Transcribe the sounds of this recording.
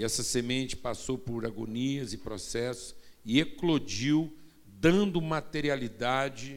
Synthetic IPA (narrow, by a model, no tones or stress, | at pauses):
ɛsɐsemẽnt͡ʃɪ̥pasowpʊɾaɡo̰niɐzɪpɾosɛsʊ̥sɪeklod͡ʒiw | d̪ɐ̃nd̪ʊmat̪eɾialid̪ad͡ʒɪ